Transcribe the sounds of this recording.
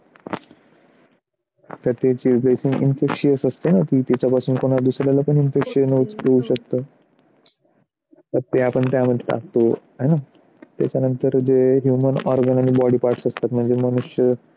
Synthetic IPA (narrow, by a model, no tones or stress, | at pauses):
t̪ət̪jet͡ɕiplesiŋɡḭnfekɕiəsəst̪enat̪iːt̪at͡ɕjapasuːnkoɽ̃ad̪usɾjalapəɳinfekɕənjeuɕək̚t̪ə | t̪əɾt̪aapəɳt̪jam̤əɳd͡ʑʈa̰k̚t̪otana | t̪ja̰t͡ɕanənt̪əɾd͡ʑeɦjumənɔ̰ɾɡənaɽ̃ibɔɽiːpaɾʈsəst̪at̪m̤əɳd͡zeməñuɕjə